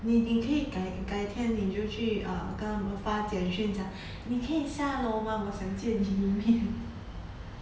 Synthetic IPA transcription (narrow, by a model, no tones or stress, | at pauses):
ninikʰɤikaɪkaɪt̪ʰjɛnit͡ɕjoʊt͡ɕʰyə̰kənaməfat͡ɕjɛnɕɛnt͡ɕʰjɑŋ | nikʰɤiɕjaloʊmawɔɕjɑŋt͡ɕjɛniimjɛn